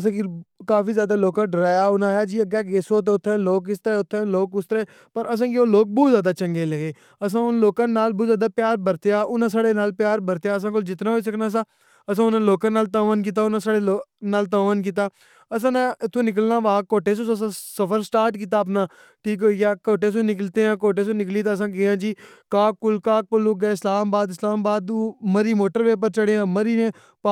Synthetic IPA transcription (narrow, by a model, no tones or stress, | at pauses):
əsãːkikaːfiːzjaːd̪aːloːkãːɖəɾaːjaːʊnãːjaːd͡ʒiːəɡɛːɡeːsoːt̪̬eːʊt̪ʰːẽːloːkɪst̪eʊt̪ʰːẽːloːkʊst̪əɾeː | pəɾʔəs̬ãːkioːloːk̚buːzaːd̪aːt͡ʃəŋɡeːleɡeː | əsãːʊnloːkãːnːaːlbuːzaːd̪aːpjaːɾbəɾt̪ejaːʔʊnãːsaːɽeːnaːlpjaːɾbəɾt̪ejaːəs̬ãːk̬old͡ʒɪt̪nãːɦoːiːs̬əknaːs̬ãː | əs̬ãːʊnãloːkãːnaːlt̪aːʋəːnk̬iːt̪̬aːʊnãːsaːɽeːlonaːlt̪aːʋənk̬iːt̪aː | əsãːnãɪt̪ʰːõːnɪk̬əlnaːʋaːkoːʈeːs̬õːəs̬ãːsəpʰəɾsʈaːɾʈkiːt̪̬aːəp̬naː | ʈʰiːkɦoːiːkjaːkoːʈeːs̬õːnɪkəlt̪eːãːkoːʈ̬eːsõːnɪkliːt̪ãːs̬ãːkeɦãːd͡ʒiː | kaːk̚ːʊlkaːk̚pəluːɡɛːɪslaːmbaːd̪ɪslaːmbaːd̪uːməɾiːmoːʈəɾʋeːp̬əɾt͡ʃəɽeːãːməɾiːnẽː | pː